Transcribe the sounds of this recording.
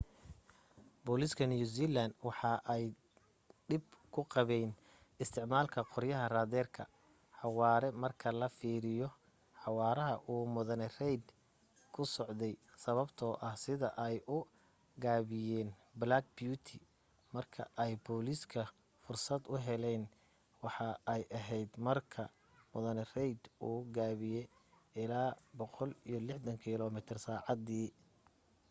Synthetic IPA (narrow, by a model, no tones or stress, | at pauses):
bɔːlɪskʰɐnjuːsiːland̪wɑħɑʔɛj | ɖɪb̚kʰʊqɑβɛjn | ɪst̪ʰɪʕmaːlkʰɐqɔrjɐɦɐraːðɛːrkʰɐ | ħɑwɑːɾɛmɐrkʰɐlɐfiːɾɪjɔ | ħɑwɑːɾɐɦɐʔuːmʊðɐnɛrɛjd̪ | kʰʊsɔʕd̪ɛjsɐβɐbt̪ʰɔːʔɐhsɪðɐʔɛjʔʊ | ɡaːβɪjɛːnblaːɡ̚bjut̪ʰɪ | mɐrkʰɐ̰ʔɛjbɔːlɪskʰɐ | fʊrsɐd̪ʊɦɛlɛn | wɑħɑɛjʔɐɦɛjd̪mɐrkʰɐ | mʊðɐnɛrɛjd̪uːɡaːβɪjɛ | ʔɪlaːbɔqɔlijɞlɪħd̪ɐŋkʰiːlɔmɪt̪ʰɪrsaːʕɑd̪iː